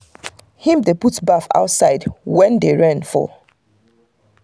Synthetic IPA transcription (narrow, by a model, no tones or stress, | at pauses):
hĩmdeputbafa̰ʊtsaɪdwɛ̃ndeɹãnfɔ̰